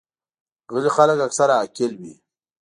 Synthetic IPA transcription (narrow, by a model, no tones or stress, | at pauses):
ɣəlixaləkaksaɾaːkɪlwḭ